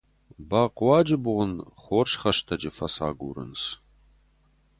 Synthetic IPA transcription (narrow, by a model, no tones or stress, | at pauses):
baːqwɑːd͡ʒɪbʊʁʷʊnχʷoːʂχɐʂtʰɐd͡ʒɪfɐsa̰ːɡʷṵːɾɨ̰ns